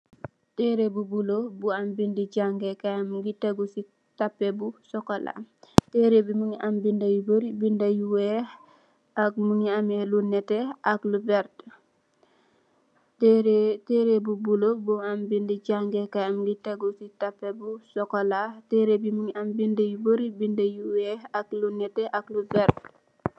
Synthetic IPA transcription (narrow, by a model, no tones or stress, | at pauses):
tɛɾebubulobuambindid͡ʒaŋɡɛkajamɡitɐɡusi | tapːɛbusɔkɔla̰tɛɾebimuŋiʔambindajubəɾibindajuwɛ | ak̚muŋiamɛlunɛtɛʔaklubɛɾt | ɾtɛɾebubulobɔambindiɟaŋɡɛkaamɡiteɡusitapːɛbusɔkɔlatɛɾebimuŋiʔambindɐjubəɾibindɐjuwɛaklunɛtɛʔaklubɛɾt